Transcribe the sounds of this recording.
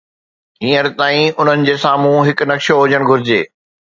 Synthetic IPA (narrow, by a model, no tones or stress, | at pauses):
ɦĩːəɾt̪aːĩʊn̤ənɪ̆d͡ʑeːsaːm̤ũɦɪknɐkʃoɦʊd͡ʑəɽ̃ɡʱʊɾɪd͡ʑeː